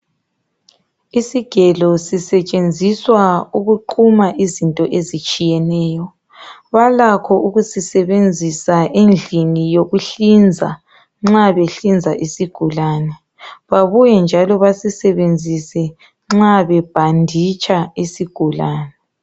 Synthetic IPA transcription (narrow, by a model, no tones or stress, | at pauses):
isiɡ̥ʱɛlɔsisɛt͡ʃʼend͡zʱiswauɣuǃʰumaʔizintʼɔʔezit͡ʃʼijɛnɛːjɔ | βalakʰɔʔuɣusisɛβend͡zʱisaʔend͡ɮʱinijoɣuɬind͡zʱa̰ | ŋ͡ǁaβeɬind͡zʱaʔisiɡ̥ʱulaːnɛ | βaβujɛnd͡ʒʱalɔβasisɛβend͡zʱisɛ | ŋ͡ǁaβɛb̥ʱandʱit͡ʃʼaisiɡ̥ʱulaːnɛ